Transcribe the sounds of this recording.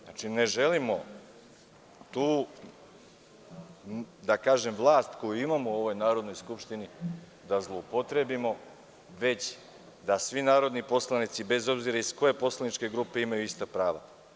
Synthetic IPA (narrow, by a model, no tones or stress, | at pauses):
at͡ʃine̞ʒe̞limo̞ | t̪uː | d̪akaːʒe̞mʋlˠaːst̪ko̞juimamoo̞ʋo̞jnaːɾo̞d̪no̞jskupʃt̪ini | d̪azlˠo̞upo̞t̪ɾe̞bimo̞ | ʋe̞t͡ɕ | d̪asʋinaːɾo̞d̪nipo̞slˠanit̪sibe̞zo̞bziɾaisko̞je̞po̞slˠanit͡ʃke̞ɡɾuːpe̞imajuist̪apɾaːʋa̰